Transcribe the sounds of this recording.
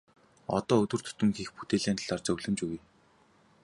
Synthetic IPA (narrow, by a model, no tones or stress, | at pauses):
ɔ̰t̪ɔːɵt̪wɵ̆r̥t̪ʰɵ̥t̪ɵ̆ŋxixput̪eːɮeːnt̪əɮart͡ɕɵwɮɘ̆mt͡ɕuɣuj